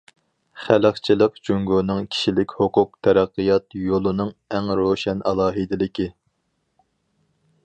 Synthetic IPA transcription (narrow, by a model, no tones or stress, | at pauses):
χæləχt͡ʃʰilˠəqd͡ʒyŋɡonɨŋkʲʰi̥ʃilɪkʲhʊqʊq̚t̪ʰæɾæqːɨjɑt̪jolˠɨnɨŋæŋɾoʃɛnɑ̰lˠɑːɦɨd̪ɪlɪkʲi